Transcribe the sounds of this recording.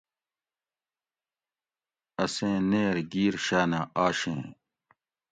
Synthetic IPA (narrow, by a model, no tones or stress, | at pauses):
ɐsẽːneːɾɡiːɾɕaːnaːʔaːɕḛ̃ː